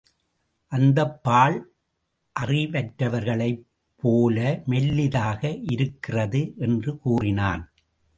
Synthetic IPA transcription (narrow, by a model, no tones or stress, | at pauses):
ʔɐnd̪ɐpːaːɭ | ʔɐrɪʋɐʈɾɐʋɐɾɣɐɭɐɪ | pːoːlɐmɛlːɪðaːɣɐʔɪɾɯkːɪrɐðɯʔɛndrɯkuːrɪna̰ːn